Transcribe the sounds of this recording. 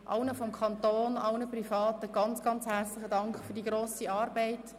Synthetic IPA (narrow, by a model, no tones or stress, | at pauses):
ʔɑʊnəfɔmkʰɑntoːnɑʊnəprifɑːtəɡ̥ɑnt͡sɡ̥ɑnt͡shært͡slɪχədɑŋkχfyːdiːɡɾoːsiɑːɾbɛɪt